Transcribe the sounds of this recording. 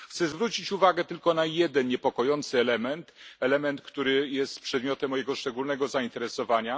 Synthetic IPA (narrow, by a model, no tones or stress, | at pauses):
xt̪sɛzvɾut͡ɕit͡ɕuvaɡɛt̪ɘlkɔnajɛd̪ɛnɲɛpɔkɔjɔnt̪sɘɛlɛmɛnt̪ɛlɛmɛnt̪kt̪uɾɘjɛst̪pʂɛd̪mʲjɔt̪ɛmːɔjɛɡɔʂt͡ʂɛɡulnɛɡɔzaint̪ɛɾɛsɔvaɲa